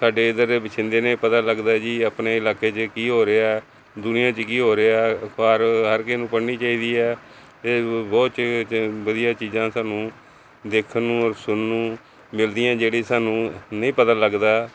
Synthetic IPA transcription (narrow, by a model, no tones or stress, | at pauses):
saːɖeːd̪əɾeːbət͡ʃʰɪ̃nd̪eːnẽːpət̪aːləɡd̪aːd͡ʒiːəpneːɪlaːkeːt͡ʃəkiːɦoːɾeːaɛː | d̪ʊnɪjãːt͡ʃkiːɦoːɾeːaːkaɾɦəɾkenũːpəɽniːt͡ʃaːiːd̪iːɛː | eːbɔːt̪t͡ʃʋəd̪ɪjãːt͡ʃiːzãːsaːnũː | d̪eːkʰnũːɔɾsʊnnũː | mɪld̪ɪjãːd͡ʒeːɽiːsaːnũːnĩːpət̪aːləɡd̪aː